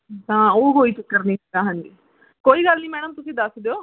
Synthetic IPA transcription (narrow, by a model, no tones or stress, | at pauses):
t̪ãːoːɦoːiːt͡ʃɪkːəɾniːd̪aːɦə̃nd͡ʒiː | koːiːɡəlnĩːmɛ̃ːñʊ̃mt̪ʊsĩːd̪əsd̪eoː